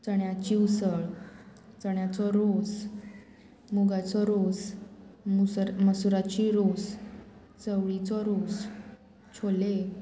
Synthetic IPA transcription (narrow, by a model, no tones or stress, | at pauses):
t͡səɳjat͡ɕiusəɭ | t͡səɳjat͡sɔɾos | moɡat͡sɔɾos | muməsuɾat͡ɕiɾos | t͡səʋɭit͡sɔɾos | t͡ɕʰole